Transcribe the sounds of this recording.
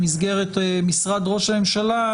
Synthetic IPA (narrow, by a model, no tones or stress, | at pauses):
mizɡe̞ʁet̪misʁad̪ʁo̞ʃame̞mʃala